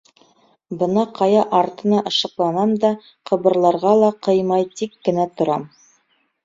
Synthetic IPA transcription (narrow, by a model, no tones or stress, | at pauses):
bɤ̆nɑqʰɑjɑʔɑɾt̪ɤ̆nɑʔɤ̆ʃɤ̆qlˠɑnɑmd̪ɑ | qʰɤ̆bɤ̆ɾlˠɑɾʁɑlˠɑqɤjmɑjt̪ikːɘ̆næt̪ŏɾɑm